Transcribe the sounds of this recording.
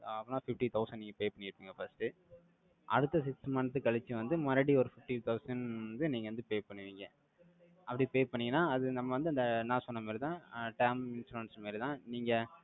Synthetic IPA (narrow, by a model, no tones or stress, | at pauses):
ɐpːɐnãːfɪfʈit̪ʰɐʊsɐnɖniːŋɡɐpeːpɐɳːɪɾɯpːiːŋɡɐfɐsʈɯ | ʔɐ̰ɽɯt̪ːɐsɪksmaːnɐt̪̬ːɯkɐɭɪt͡ʃːɯʋɐnd̪ɯmaːɾɐɽiɔɾɯfɪfʈit̪ʰɐʊsɐnɐnd̪ɯniːŋɡɐʋɐnd̪ɯpeːpɐɳːɯʋiːŋɡɐ | ɐpːɐɽipeːpɐɳːɪŋɡɐnːãːɐðɯnɐmːɐʋɐnd̪ɯɐnd̪ɐnãːsɔnːɐmeːɾɪt̪ãːʈɐːmɪnsʈɾuʋɐnsmeːɾɪt̪ãːniːŋɡɐ